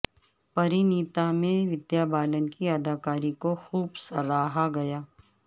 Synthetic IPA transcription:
pɐɾiniːt̪amẽʋɪd̪jaːbaːlənkiɐd̪ʱaːkaːɾikoxuːbsɐɾaːɦaɡɐjaː

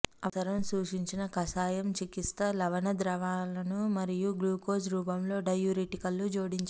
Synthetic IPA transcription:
ɐɐɾɐmsuːʂiɲt͡ʃinɐkɐsaːjɐmt͡ʃikist̪ɐlɐʋɐnɐd̪ɾɐʋaːlɐnumɐɾijuɡluːkoːsɾuːpɐmlo̞ːɖɐjuɾiʈikɐlːud͡ʒoːɽiɲt͡ʃ

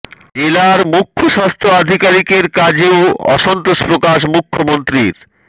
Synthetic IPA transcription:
elaɾmukʰːoʃast̪ʰɾoad̪ʱikaɾikeɾkad͡ʑeoɔ̰ʃɔnt̪oʃpɾokaʃ̬mukʰːomont̪ɾiɾ

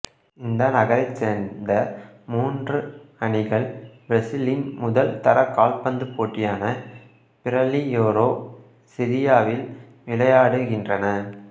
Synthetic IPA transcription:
ɪnd̪ɐnɐɣɐɾɐɪt͡ʃːeːnd̪ɐmuːndrɯɐɳɪɣɐɭbɪɾɐsɪlɪnmʊðɐlt̪ɐɾɐkaːlpɐnd̪ɯpːoːʈrɪjaːnɐ | pɪɾɐlijoːɾoː | sɪɾɪjaːʋɪl | ʋɪlɐjaːɽɯɣɪndrɐnɐ

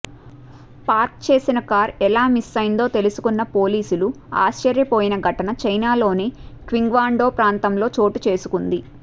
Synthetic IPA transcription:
paːɾkt͡ʃeːsinɐkaːɾɛlaːmisːɐjnd̪o̞ːt̪e̞lusu̥kunːɐpoːliːsulu | a̰ːʃt͡ʃɐɾjɐpoːjinɐɡʱɐʈɐnɐt͡ʃɐjnaːlo̞ːnikʋiŋɡʋaːɳɖo̞ːpɾaːnt̪ɐmlo̞ːt͡ʃo̞ːʈut͡ʃe̞ːsukund̪i

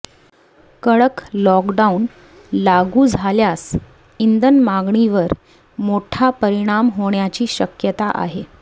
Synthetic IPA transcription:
kəɭəklɔkɖaun | laɡuːd͡zʱaljas | ind̪ənmaɡɳiʋəɾ | moʈʰapəɾiɽ̃amɦoɳjat͡ɕiːɕəkjət̪aʔa̰ɦe

